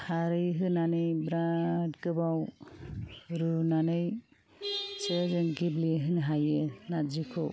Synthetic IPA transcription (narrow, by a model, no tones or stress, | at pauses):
haɾɯjɦɯnanɯjbɾatɡɯbaw | ɾunanɯj | t͡ʃezɯŋɡiblieɦɯnɦajɯnad͡ʒikʰɔ̰w